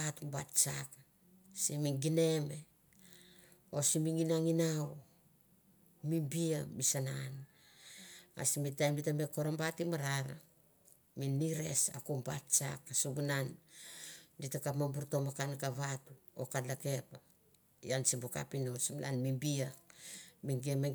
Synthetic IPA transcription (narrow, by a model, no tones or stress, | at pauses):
atumbatt͡ʃak | simiŋɡine̞me̞ | osimiŋinaŋinaw | mimbiamisanan | a̰simitajmditameko̞ɾambatimaɾaɾa̰ | miniɾe̞sa̰kumbatt͡ʃa̰kasuβunan | ditakamambuɾtomakankaβatuo̰kalake̞pa | j̰ansimbuka̰pinosimla̰nmimbia | miŋɡeme